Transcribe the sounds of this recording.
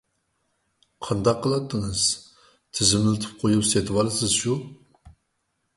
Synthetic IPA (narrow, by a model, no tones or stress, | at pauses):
qʰɑnd̪ɑqʰːəlˠɑt̪ːəŋəz̥ | t̪ʰɪzɪmlɪt̪ʰɨ̥p̚qʰojupset̪ʰɨwɑlˠɨsɪzʃu